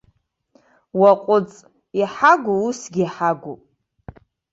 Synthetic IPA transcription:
waqʷʼʊt͡sʼ | iħaɡʷuusɡʲiħaɡʷupʼ

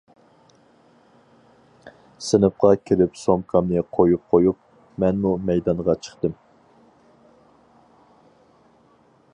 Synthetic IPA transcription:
sɪnɨp̚qɑkʲʰeɾɪpsomkʰɑmnɨqʰojup̚qʰojup̚ | mɛnmumɛjd̪ɑnʁɑt͡ʃʰə̥χt̪ɨm

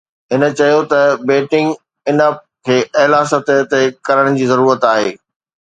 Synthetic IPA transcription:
ɦɪnə̆t͡ɕɐjot̪ɐbeːʈɪ̃ŋɡ | ɪnə | kʰeːʔɐɦlaːsət̪t̪ekɐɾəɽ̃̆d͡ʑiːzɐɾuːɾət̪aːɦḛː

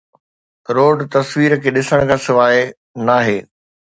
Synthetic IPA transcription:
ɾoːɖt̪ɐsʋiːɾəkʰeːɗɪsəɽ̃̆kʰãːsɪʋaːe | naːɦeː

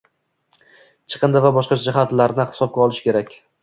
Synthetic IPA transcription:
t͡ʃʰɨ̥qʰɨnd̪avabɒʃqɑd͡ʒɪɦat̪laɾnɪhɪ̥sɒp̚ɡʲaɒlˠɪʃkʲe̞ɾakʲ

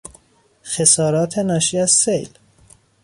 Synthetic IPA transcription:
xesɒːɾɒːt̪ʰe̞nɒːʃiːæz̥sejl

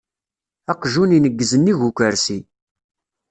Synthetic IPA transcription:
ɑqʒuninəɡːəzənːiʝukʷəɾsi

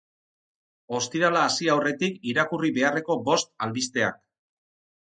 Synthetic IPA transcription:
o̞st̪iɾalaːsiawre̞t̪ikiɾakuriβe̞are̞ko̞bo̞st̪alβist̪e̞a̰k

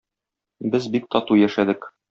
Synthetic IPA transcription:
bɘzbik̚t̪ɒt̪ujæʃæd̪ɘk

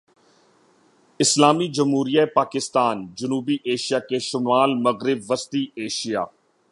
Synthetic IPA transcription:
ɪslaːmid͡ʒəmɦuːɾijaepaːkɪst̪aːnd͡ʒʊnuːbiʔeːʃijaːkeʃʊmaːlmɐɣɾɪbʋəst̪iːeːʃija̰ː

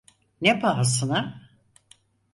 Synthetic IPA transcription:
nepaɦasɯna

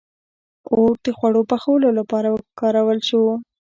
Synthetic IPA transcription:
oɾ̚d̪əxwaɽopaxawəlolapɑɾawəkɑɾawəlʃu

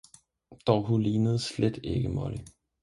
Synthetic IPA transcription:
d̥ɒʊɦuliːnəð̞̩ˠsled̥e̝ɡ̥əmɒ̰li

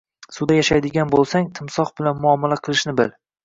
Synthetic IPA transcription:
sʊd̪ajaʃajd̪ɪɡʲanbolˠsaŋt̪ʰɪmsɒχbɪlanmʊɒmalaqʰɨlˠɪʃnɪbɪ̰l

